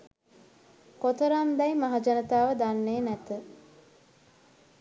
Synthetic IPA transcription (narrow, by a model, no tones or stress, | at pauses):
kot̪əɾamd̪ajmaɦad͡ʒanət̪aːʋəd̪anːeːnæt̪ə